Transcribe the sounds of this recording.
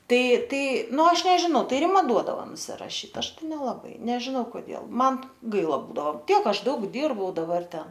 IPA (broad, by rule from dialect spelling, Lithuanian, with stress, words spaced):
ˈtɐɪ ˈtɐɪ ˈnʊ ˈɐʃ nʲɛʒʲɪˈnɐʊ ˈtɐɪ rʲɪˈmɐ ˈduɔdɐʋoː nʊsʲɪrɐˈʃʲiːt ˈɐʃ ˈtɐɪ nʲɛlˠɐˈbɐɪ nʲɛʒʲɪˈnɐʊ koːˈdʲeːlˠ ˈmɐn ˈɡɐɪlˠɐ ˈbuːdɐʋoː ˈtʲiɛk ˈɐʃ ˈdɐʊk ˈdʲiːrbɐʊ dɐˈbɐr ˈtʲɛn